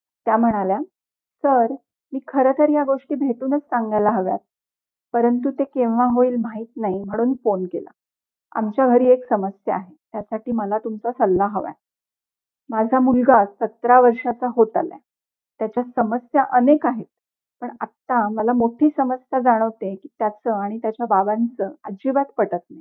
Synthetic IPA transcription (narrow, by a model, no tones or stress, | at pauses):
t̪jam̤əɽ̃alja | səɾ | miːkʰəɾət̪ʰəɾjaɡoʂʈiːbʱeʈ̪uːnət͡ssaŋɡajlaɦəʋja̰t̪̚ | pəɾənt̪ut̪ekeʋʋaɦoiːlmaiːt̪naɦim̤əɽ̃uːnfonkela̰ | a̰mt͡ɕjaɡʱəɾiːeksəməsjəaɦet̪jasaʈiːməlat̪umt͡sasəlːaɦəʋa̰j | mad͡zʱamulɡasət̪ɾaʋəɾʂat͡saɦot̪alja̰ | t̪jat͡ɕjasəməsjaʔənekaɦet̪̚ | pəɳat̪ːaməlamoʈʰiːsəməsjad͡zaɽ̃əʋt̪ekiːt̪jat͡səaɽ̃it̪jat͡ɕjababant͡səad͡ʑibat̪pəʈət̪nai